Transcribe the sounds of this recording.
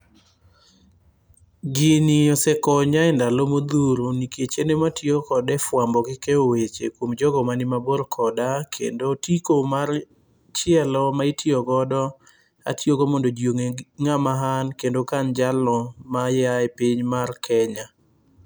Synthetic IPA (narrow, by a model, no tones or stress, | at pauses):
ɡɪniɔsɛkɔɲaɛndalomod̪uɾoniket͡ʃenematjokɔdɛfwambɔɡɪkɛowet͡ʃekwomd͡ʒɔɡɔmanɪmaboɾkʰɔdakʰḛndotikomar | t͡ʃɪɛlɔmaitʰjɔɡɔdɔ | a̰tjoɡomɔndod͡ʒoŋeŋamaɦankendokand͡ʒalɔmajaɛpiɲmarkʰɛɲa